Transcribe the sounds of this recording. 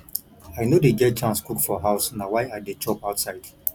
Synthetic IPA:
ajnodeɡɛd̚t͡ʃãnskukfɔɦaʊsnawajadet͡ʃɔpaʊtsaɪd̥

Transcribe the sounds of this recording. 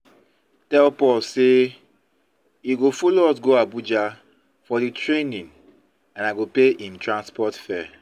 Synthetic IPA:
tɛlpɔlse | iɡofoloɔs̬ɡoabud͡ʒa | fɔditʰɹenĩn | ãnaɡopeʔĩntɹãnspɔtfɛ

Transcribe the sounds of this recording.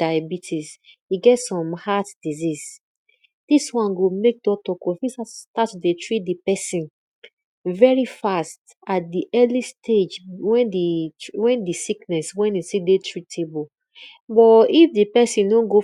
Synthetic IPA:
d̥ajbitʰisiɡɛtsɔ̃mhatd̥iziz | d̥iswãnɡomek̚dɔtɔkɔfisastatːudetɹit̚dipɛsĩn | vɛɹifast | at̚diʔɛlistʰed͡ʒwɛ̃ndiwɛ̃ndisiknɛswɛ̃nisidetʰɹitʰebu | bɔifdipɛsĩndõnɡo

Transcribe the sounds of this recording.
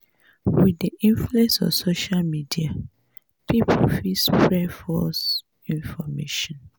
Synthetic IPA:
widiʔĩnfluɛ̃nsɔ̰fsoʃalmidia | pipʰofispɹɛfɔs | ĩnfɔmeʃɔ̃n

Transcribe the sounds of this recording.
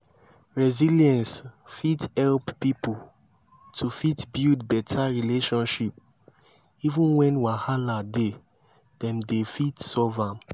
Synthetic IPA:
ɹɛziljɛ̃nsfithɛlppipu | tʰufitbildbɛtʰaɹileʃɔ̃nʃip̚ | ivũnwɛ̃nwahalade | dɛ̃mdefitsɔvãm

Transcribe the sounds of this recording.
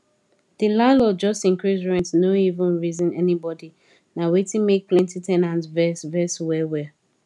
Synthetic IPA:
ðilãnlɔd͡ʒɔstĩŋkɹisɹɛ̃ntnoivə̃nɹizĩnɛnibɔdi | nawetĩŋmek̚pʰlɛ̃ntitʰɛnãntvɛsvɛswɛwɛ

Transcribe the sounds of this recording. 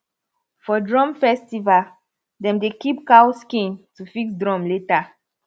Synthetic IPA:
fɔdɹɔ̃mfɛstival | dɛ̃mdekipkawskĩntufiksdɹɔ̃mleta

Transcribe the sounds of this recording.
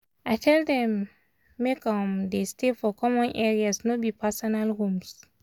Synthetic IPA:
ajtʰɛldɛ̃mː | ekɔmdestefɔkʰɔmɔ̃nʔɛɹiasnobipʰasɔnalɹũms

